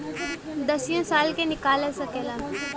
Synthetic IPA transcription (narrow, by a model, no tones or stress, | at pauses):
d̪əsijõsaːlkenɪkaːlesɐkelaː